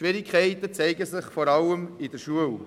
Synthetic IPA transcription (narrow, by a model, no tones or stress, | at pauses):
ʋɪɾɪkʰɛɪt̪ət͡sɛɪɡəsɪχfɔɾɑləmɪdəɾʃuəl